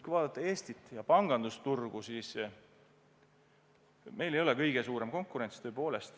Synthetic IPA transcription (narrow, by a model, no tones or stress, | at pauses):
kujvɑːd̪ɑt̪ˑːɑe̞ːst̪it̪ːˑjɑpɑŋɡ̥ɑnd̪ust̪urɡ̥usiːs | me̞jlejo̞lɛkɤjɡ̥e̞suːɾe̞mko̞ŋkuɾe̞nʲst̪ø̞ːpo̞ːle̞st̪